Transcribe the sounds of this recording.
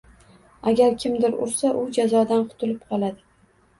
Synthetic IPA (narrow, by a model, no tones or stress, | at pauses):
aɡʲaɾkʲʰɪmd̪ɪɾʊ̰ɾsaʔʊd͡ʒazɒd̪anqʰʊ̥t̪ʰɪlɪpqʰɒlˠad̪ɪ